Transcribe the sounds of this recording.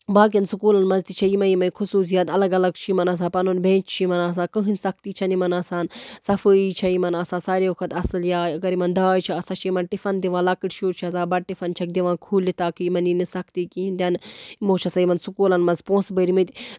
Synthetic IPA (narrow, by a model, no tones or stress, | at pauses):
baːk̬jɐnsukuːlɐnmɐzt̪it͡ʃʰɐjimɐjimɐnkʰusuːs̬jɐːt̪ɐlɐɡɐlɐɡ̚t͡ʃʰimɐnɐs̬ãːpɐnonbʱẽːt͡ʃt͡ʃʰimɐnaːs̬aːkɨɦɨnsɐk̚ʰt̪iːt͡ʃʰɐnimɐnaːsaːnsɐfəit͡ʃʰɐjimɐnaːsaːsaːɾeːʋɐkʰɐt̪ɐsɨljaːɐɡɐɾimɐnd̪aːjt͡ʃʰiɐsat͡ʃʰimɐnʈifɐnd̪iʋãːlɐkɨʈʃuːɾt͡ʃʰɐzaːbɐɽ̚ʈifɐnt͡ʃʰɐk̚d̪iʋãːkʰuːlːit̪aːkɨmɐninisɐkt̪iːkiind̪ʲɐnimõːt͡ʃʰɐsajimɐnsukuːlɐnmɐzpõːsbəɾimɨt̪ʲ